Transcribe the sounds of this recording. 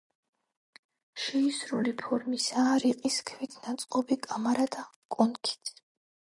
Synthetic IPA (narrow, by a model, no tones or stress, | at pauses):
ʃɛisɾulipʰɔɾmisaːɾiqʼiskʰvit̪ʰnat̪sʼqʼɔbikʼamaɾad̪akʼɔnkʰi̥t̪ʰ